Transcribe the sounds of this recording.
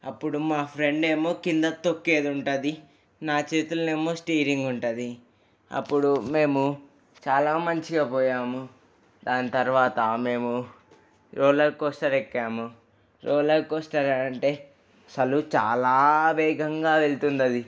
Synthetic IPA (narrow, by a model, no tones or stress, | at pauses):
ɐpːuɽumaːpʰɾe̞ɳɖeːmoːkind̪ɐt̪okːe̞ːd̪uɳʈaːd̪i | naːt͡ʃeːt̪ulɐneːmːoːsʈiːɾiŋɡuɳʈaːd̪i | ɐ̰pːuɽume̞ːmu | t͡ʃaːlaːmɐɲt͡ʃiɡaːpɔːjaːmu | d̪aːnit̪ɐɾʋaːt̪ɐme̞ːmu | ɾɔːlɐɾkːɔsʈɐɾekːaːmu | ɾɔːlɐkɔsʈɐɾaɐɳʈe̞ː | ɐsɐlut͡ʃa̰ːlaːʋɛːɡɐŋɡaːʋe̞ɭt̪und̪ɐd̪i